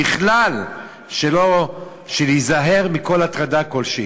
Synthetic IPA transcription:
iχlal | ʃelo | ʃelijzaɦe̞ʁmiko̞latʁadako̞lʃi

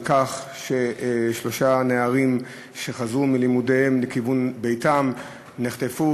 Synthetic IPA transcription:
kaχ | ʃeʃlo̞ʃaneaʁim | ʃe̞χazʁumilimudehemlekivunbe̞jtam | neχt̪efu

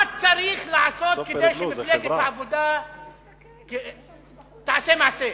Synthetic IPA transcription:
at͡saʁiχleʕaso̞tked̪ejʃemefleɡet̪ʕavod̪a | ke | t̪aʕasemaʕase

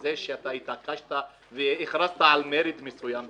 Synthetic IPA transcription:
zeʃeat̪ait̪akaʃt̪a | veiχɾast̪aalmeɾid̪mesujam

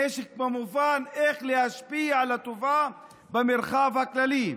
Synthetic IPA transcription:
eʃɪk̚mamufaːnʔeːxlɪhaʃpiːʕalat̪ʊvaː | bɪmɪɾxaːvhaklaliː

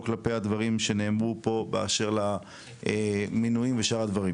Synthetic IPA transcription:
klapejad̪vaʁimʃe̞neːmʁupo̞bea̰ʃeʁla | eminujimveʃaʁad̪vaʁim

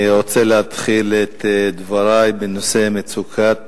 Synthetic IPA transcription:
ʁot͡seleat̪χilet̪d̪vaʁajbenosemet͡sukʰat̪

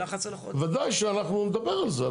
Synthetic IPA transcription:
a | vad̪ajʃɛanaχnumɛd̪abɛɾalzɛ

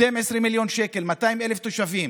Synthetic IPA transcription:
emesʁimːiljo̞nʃeke̞lmataimeleft̪oʃavim

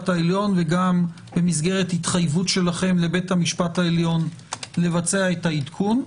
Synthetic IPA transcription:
taeljo̞nve̞ɡam | be̞misɡe̞ʁe̞thitχajvutʃe̞laχe̞mle̞be̞thamiʃpathaeljo̞nle̞vat͡se̞aethaitkʰun

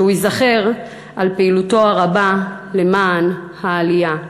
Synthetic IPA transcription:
uizaχe̞ʁ | ʔalpeiluto̞aʁaba | le̞maːnhaːlija

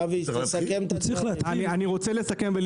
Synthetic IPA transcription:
visakemt̪t͡siχlaat̪anianiʁo̞t͡sele̞sake̞mvel

